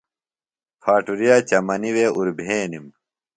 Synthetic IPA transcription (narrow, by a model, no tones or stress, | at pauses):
pʰaːʈuɾijaːt͡ɕɐmɐniweːuɾbʱeːnim